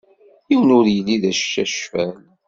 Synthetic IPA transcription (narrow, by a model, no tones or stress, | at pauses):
jiwənʊɾjəlːiðæʃːæʃfæl